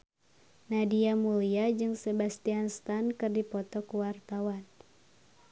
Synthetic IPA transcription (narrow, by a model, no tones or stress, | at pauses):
nadiamuliad͡ʒɨŋsebast̪ianst̪ankɨrdipɔt̪ɔkuwart̪awan